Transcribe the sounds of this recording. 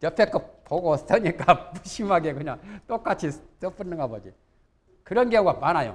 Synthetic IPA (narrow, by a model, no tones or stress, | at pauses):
t͡ɕʌpʰek͈opoɡos͈ʌɲik͈amuɕʰimɦaɡekɯɲaŋt͈ok͈at͡ɕʰis͈ʌp͈ɯnːɯŋɦabʌd͡ʑi | kɯɾʌnɡeʌŋɡwapanajo̰